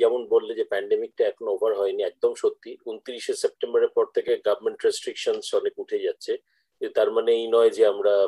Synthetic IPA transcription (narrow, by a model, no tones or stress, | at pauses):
ɛmonbolːed͡ʑepɛɳɖemik̚ʈaɛkʰonoɔbʱaɾɦɔeniɛk̚d̪omʃot̪ːiunt̪iɾiʃesep̚ʈemboɾeɾpɔɾt̪ʰekeɡabʱmeɳʈɾesʈɾikʃonsɔnekuʈʰed͡ʑatːɕʰe | t̪aɾmaneejnɔed͡ʑeamɾa